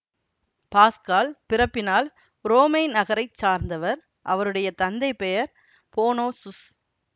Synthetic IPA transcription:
paːskaːlpɪɾɐpːɪnaːl | ɾoːmeɪnɐɣɐɾɐɪt͡ʃːaːɾnd̪ɐʋɐɾ | ʔɐʋɐɾɯɽɐjɐt̪ɐnd̪ɐɪpɛjɐɾ | poːnoːsʊs

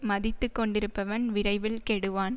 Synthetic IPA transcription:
mɐðɪt̪ːɯkːɔɳɖɪɾɯpːɐʋɐnʋɪɾɐɪʋɪlkɛɽɯʋaːn

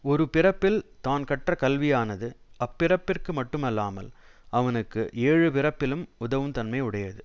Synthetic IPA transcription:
ɔɾɯpɪrɐpːɪlt̪aːnkɐʈːrɐkɐlʋɪjaːnɐðɯɐpːɪrɐpːɪrkɯmɐʈːɯmɐlːaːmɐ̰lɐʋɐnɯkːɯ̰ʔeːɻɯpɪrɐpːɪlɯmʊðɐʋɐmt̪ɐnmɐɪʊɽɐjɐðɯ

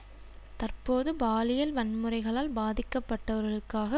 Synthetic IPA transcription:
t̪ɐrpoːðɯbaːlɪjɐlʋɐnmɯrɐɪɣɐɭaːlbaːðɪkːɐpːɐʈːɐʋɐɾɣɐɭɯkːaːɣɐ

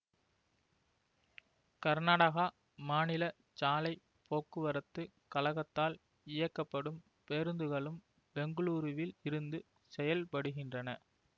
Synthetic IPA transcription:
kɐɾnaːɽɐɣa | maːnɪlɐ | t͡ʃaːlɐɪ | poːkːɯʋɐɾɐt̪ːɯ | kɐlɐɣɐt̪ːaːl | ɪjɐkːɐpːɐɽɯm | peɾɯnd̪ɯɣɐɭɯm | bɛŋɡɯɭuːɾɯʋɪlɪɾɯnd̪ɯ | sɛjɐlpɐɽɯɣɪndrɐnɐ

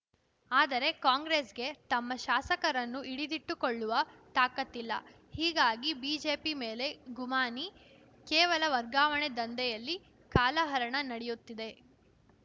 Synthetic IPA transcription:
aːd̪ɐɾe̞kaːŋɡɾesɡe̞t̪ɐmːɐʃaːsɐkɐɾɐnːuʔiɽid̪iʈːukoɭːuʋɐt̪aːkɐt̪ːilːɐ̰ | hiːɡaːɡibiːd͡ʒe̞ːpimeːle̞ɡumaːni | kɛːʋɐlɐʋɐɾɡaːʋɐɳed̪ɐnd̪ɛjɐlːi | kaːlɐɦɐɾɐɳɐnɐɽɛjut̪ːid̪e̞

